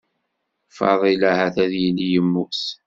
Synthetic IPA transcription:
fɑ̰ðˤilæhæθæðjəlijəmːus

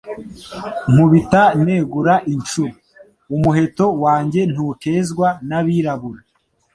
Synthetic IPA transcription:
n̥uβitaneɡuɾaʔint͡ʃuɾo | umuɦe̞to̞waːɲɟe̞n̥ute̞zɡwanaβiːɾaβuɾa

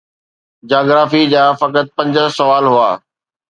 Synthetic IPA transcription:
d͡ʑaːɡɾaːfid͡ʑaːfɐkət̪̚pɐ̃ɲd͡ʑə̆sɐʋaːlɦua̰ː

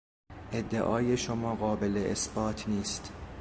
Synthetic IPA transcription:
ʔe̞d̪ːeʔɒːjeʃomɒːɣɒːbeleʔesb̥ɒːt̪ʰniːst̪

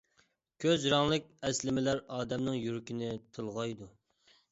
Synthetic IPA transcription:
kʲʰøzɾɑŋlˠɨkʲɛslɪmɪlæɾɑːd̪ɛmnɨŋjyɾkʲinɪt̪ʰɨlˠʁɑjd̪u

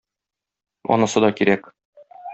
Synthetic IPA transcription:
ɒ̰nɑsɤd̪ɒkiɾæk

